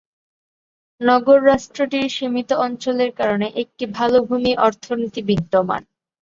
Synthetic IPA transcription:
nɔɡoɾːaʃʈɾoʈiɾʃimit̪oɔnt͡ɕoleɾkaɾoneʔek̚ʈibʱalobʱumiʔɔɾt̪ʰonit̪ibiɡɖoma̰n

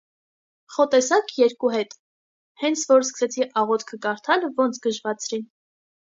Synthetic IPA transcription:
χɔt̪ɛsɑkjɛɾkuɦɛt̪ | hɛnt͡sʰvɔɾskə̥sɛt͡sʰiʔɑʁɔt̪ʰkʰəkɑɾt̪ʰɑlvɔnt͡sʰɡəʒvɑt͡sʰɾin

